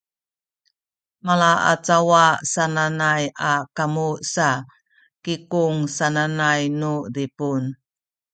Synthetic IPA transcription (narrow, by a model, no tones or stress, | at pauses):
malaʔa̰t͡sawasananajakamusa | kikuŋsananajnudipun